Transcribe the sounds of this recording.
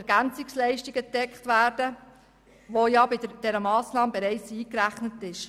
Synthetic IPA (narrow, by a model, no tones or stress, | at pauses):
ɛɾɡ̥ænt͡sɪkslɛɪʃtiɡədɛkχtʋæːɾd̥ə | ʋojɑbɪdəd̥ɛɾəmɑːsnɑːməbɛɾɛɪt͡siːkɾæχnətɪʃ